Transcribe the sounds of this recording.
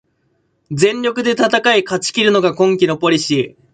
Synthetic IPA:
d͡zẽ̞ɲʲo̞kɯ̟d̪e̞t̪at̪akaikat͡ɕi̥kʲiɾɯ̟no̞ɡakõ̞ŋkʲino̞po̞ɾʲiɕiː

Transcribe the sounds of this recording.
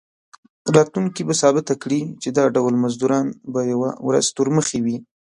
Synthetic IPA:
ɾɑt̪luŋkibasɑbɪt̪akɽit͡ʃed̪ɑɖawlmazd̪uɾɑnbajawawɾa̰zt̪ʊɾməxewi

